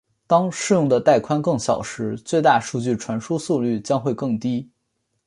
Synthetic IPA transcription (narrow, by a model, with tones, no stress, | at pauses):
t̪ɑ˥ŋʂɻ̩˥˧jʊ˥˩ŋd̪ə˩t̪a˥˩ɪkʰwa˥nkɤ˥˩ŋɕjɑ˨˩ʊʂɻ̩˧˥t͡swe˥˧ɪt̪a˥˧ʂu˥˧t͡ɕy˥˩ʈ͡ʂʰwa˧˥nʂu˥su˥˧ly˥˩t͡ɕjɑ˥ŋxwe˥˧ɪkɤ˥˩ŋt̪i˥